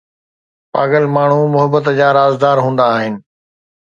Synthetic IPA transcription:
paːɡəlmaːɳ̤umʊɦəbət̪d͡ʑaːɾaːzd̪aːɾɦũːn̆d̪aːɦɪnɪ̆

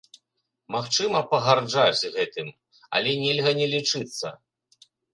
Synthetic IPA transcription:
maxt͡ʂɨmɐpɐɣard͡ʐad͡zʲɣɛt̪ɨm | ɐ̰lʲɛnʲɛlʲɣɐnʲɛlʲit͡ʂɨt̪sːɐ̰

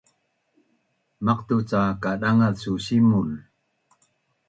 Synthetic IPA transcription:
maqt̪ut͡sakaɗaŋaðsusimul

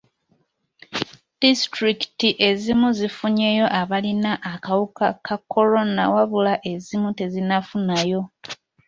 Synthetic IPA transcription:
d̥istɾiki̥tiʔe̞zimuzifuɲe̞jo̞ʔaβalinaʔːkawukakʰakʰːo̞lo̞na̰waβulaʔe̞zimute̞zinafunajo̞

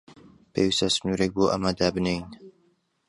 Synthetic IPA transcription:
pʰḛːwist̪ɐsɨnuːɾek̚boʔɐ̰mad̪aːbɨnejin

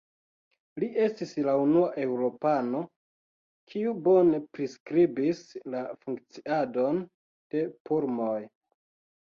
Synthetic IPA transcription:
liʔe̞stislaunuaʔe̞uɾo̞pano̞ | kʰiubo̞ne̞pɾiskɾibislafuŋkt͡siado̞n | d̥e̞puɾmoj

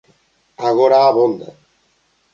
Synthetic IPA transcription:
aɣoɾaːβond̪a

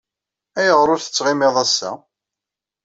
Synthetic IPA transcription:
æjəʁɾˤʊɾθə̥t͡sːʁɪmɪðˤæsːæ̰

